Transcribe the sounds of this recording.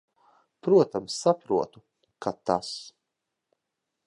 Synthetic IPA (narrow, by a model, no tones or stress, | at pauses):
pɾuɔt̪amsːapɾuɔt̪u | kʰat̪as